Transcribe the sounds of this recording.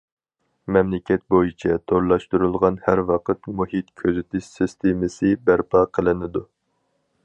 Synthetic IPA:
mɛmlɪkʲɛt̪̚bojit͡ʃʰɛt̪ʰoɾlˠɑʃt̪uɾulˠʁɑnhæɾwɑqət̪muhit̪kʲʰøzɪt̪ʰɪʃsɪst̪ʰemɪsɨbæɾpʰɑqʰəlˠɨnɪd̪u

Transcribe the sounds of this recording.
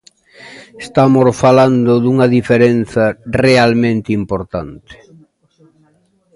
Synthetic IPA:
est̪amosfaland̪ʊðuŋɐðifeɾen̟θɐrealmẽnt̪impoɾt̪ant̪e̥

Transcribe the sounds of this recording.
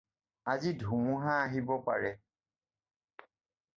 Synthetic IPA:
azidʱumʊɦaːɦibɔpa̰ɹɛ

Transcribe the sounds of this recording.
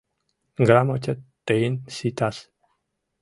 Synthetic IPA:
ɡɾamot͡ʃet̪ːeinsit̪as

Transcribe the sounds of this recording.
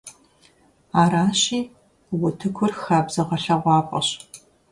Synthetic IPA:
aːɾaːɕiː | wʊtʰɨkʷʰʊrxaːbz̥ɐʁɐɬɐʁʷɑːpʼɐ̰ɕ

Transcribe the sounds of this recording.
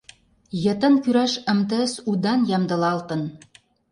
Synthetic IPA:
jɤ̆t̪ə̆nkyɾæʃə̆mt̪ə̆sud̪ɑnjɑmd̪ɤ̆lɑlt̪ɤ̆n

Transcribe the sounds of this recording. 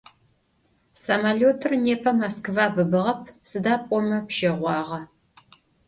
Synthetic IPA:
sɐmaloːtʰɨrneːpʰɐmɐskɨvaːbɨbɨʁɐp̚ʰsɨdaːpʼɔmɐpʃeːʁʷɑːʁɐ

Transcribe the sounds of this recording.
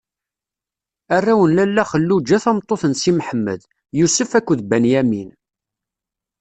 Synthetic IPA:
ærːæwənlælːæχəlːud͡ʒæθæmt̪ˤːoθənsimħəmːə̰ð | jusəfækʷːðbænjæmin

